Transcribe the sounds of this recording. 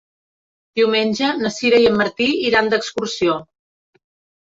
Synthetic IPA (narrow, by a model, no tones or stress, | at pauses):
d̪iwmenʲʒənəsiɾəjəmːəɾt̪iiɾand̪əkskursio